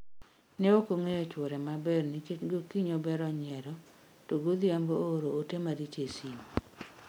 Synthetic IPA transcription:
nɛokoŋeɔt͡ʃwɔɾɛmabɛrniɡokiɲobɛɾɔɲɛɾɔ | toɡod̪jamboɾootemaɾit͡ʃesim

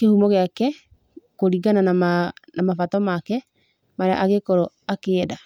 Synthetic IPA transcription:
kehumɔɣeakɛ | koɾiɡananamanamafatɔmakɛ | maɾea̰ʔaɣekɔɾo | akeːda

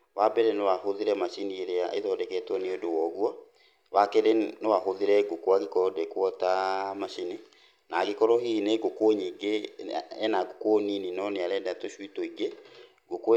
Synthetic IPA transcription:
wabɛɾɛnewahoðiɾɛmaʃinieɾeaʔḛðɔdɛkɛtwɔneodowɔɣwɔ | wakeɾenewahoðiɾɛɡokwaɡekɔɔdɛkwɔtamaʃine | naɡekɔɾɔhineɡokwoɲiɡeɛnaɡokwoɲininɔneaɾɛdatoʃwitɔiɡe | ɡokw

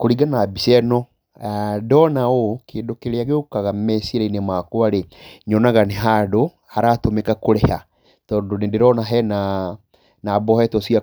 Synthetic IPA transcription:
koɾiɡanabisɛnɔ | adɔnaokeːndokeɾeaɣeokaɣamɛsiɾainemakoaɾeɲɔnaɣaneɦaːdo | haɾatomekakoɾɛha | tɔːndonedeɾɔnaɦɛna | nabɔhɛtɔsia

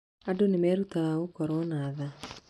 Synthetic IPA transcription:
adonemɛːɾutaaokɔɾɔnaːða

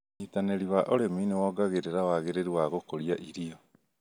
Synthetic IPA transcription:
nitaneɾiβaʔoɾeminewɔːɡaɣeɾeɾawaɣeɾeɾiwaɣokoɾiaʔiɾiɔ

